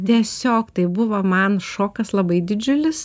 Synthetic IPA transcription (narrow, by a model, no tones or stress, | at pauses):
t̪ʲiɛsʲoːkt̪ɐɪbʊʋɐmɐnʃoːkɐslˠɐbɐɪd̪ʲɪd͡ʒʲʊlʲɪs